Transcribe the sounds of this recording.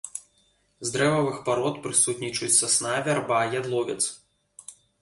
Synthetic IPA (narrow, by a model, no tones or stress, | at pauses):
zd̪ɾɛvɐvɨxpaɾɔt̪pɾɨsut̪ʲnʲit͡ʂut͡sʲsɐsnavʲarbajad̪lˠɔvʲɛt̪s